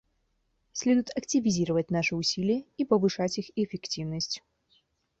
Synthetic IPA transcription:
sʲlʲɛd̪ʊjʊt̪ɐktʲɪvʲɪzʲiɾəvətʲnaʂɨʊsʲilʲɪjəipəvɨʂatʲixiefʲɪktʲivnəsʲtʲ

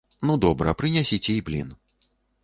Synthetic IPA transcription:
nud̪ɔbɾɐ̰pɾɨnʲasʲit͡sʲɛiblʲḭn

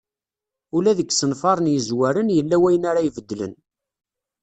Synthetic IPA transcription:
ulæðəɡːsənfɑɾˤənjəzwæɾənjəlːæwæjənaɾajvəd̪ːlə̰n

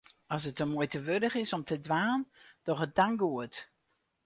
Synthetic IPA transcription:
ɔs̬ətəmuəjtəʋødəχɪsɔmtʰədʋaːnd̥ɔχət̚d̥aŋɡuət

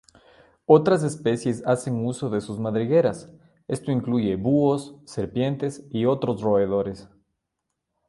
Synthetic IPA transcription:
o̞t̪ɾas̬e̞spe̞sje̞sase̞ŋuso̞ðe̞suzmaðɾiɣe̞ɾas | e̞st̪o̞iŋkluʝe̞βuosːe̞ɾpje̞nt̪e̞sio̞t̪ɾo̞sro̞eðo̞ɾe̞s

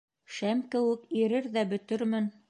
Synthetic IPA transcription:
ʃæmkɘ̆wɘkiɾɘɾðæbɵ̆t̪ɘɾmɘn

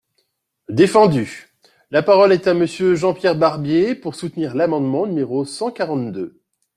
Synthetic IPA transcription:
d̪efɑ̃d̪y | lapaʁɔlɛt̪aməsjøʒɑ̃pjɛʁbaʁbjepuʁsut̪niʁlamɑ̃d̪mɑ̃nymeʁosɑ̃kaʁɑ̃t̪d̪ø

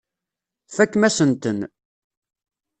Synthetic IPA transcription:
fækːmæsənt̪ən

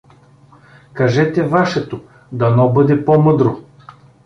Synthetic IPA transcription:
kɐʒɛt̪ɛvaʃɛt̪o | d̪ɐnɔbɤd̪ɛpɔmɤd̪ɾo

